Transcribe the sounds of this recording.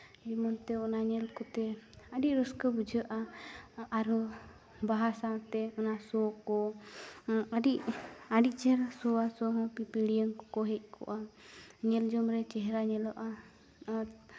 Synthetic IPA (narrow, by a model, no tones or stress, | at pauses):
d͡ʒimɔnt̪ɛɔnaɲɛlkɔt̪ɛadiʔɾɔskəbud͡ʒəʔaː | ɾɔ | baɦasat̪ɛɔnasɔkɔ | adiʔaɖiʔt͡ʃɛɦɛɾasɔasɔɦɔpipiɽiəŋkɔkɔɦɛc̚ˀkʰɔ̰ʔaɲɛld͡ʒɔmɾɛt͡ʃɛɦɾaɲɛlɔʔa